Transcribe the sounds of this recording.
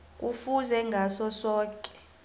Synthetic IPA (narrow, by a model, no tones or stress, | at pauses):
k̬ʼufuzɛŋɡʱasɔsɔːkʼɛ̥